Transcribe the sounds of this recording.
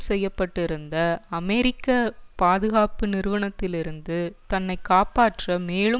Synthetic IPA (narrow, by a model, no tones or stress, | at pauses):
sɛjːɐpːɐʈːɪɾɯnd̪ɐɐmɛɾɪkːɐpaːðɯɣaːpɯnɪɾɯʋɐɳɐt̪ːɪlɪɾɯnd̪ɯt̪ɐnːɐɪkːaːpaːʈrɐmeːɭɯ